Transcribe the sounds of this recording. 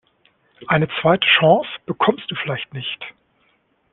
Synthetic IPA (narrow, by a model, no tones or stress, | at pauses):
ʔaɪnət͡sv̥aɪtʰə̥ʃɑ̃ːsb̥əkʰɔmst̚d̥uːfɪlaɪçtnɪçt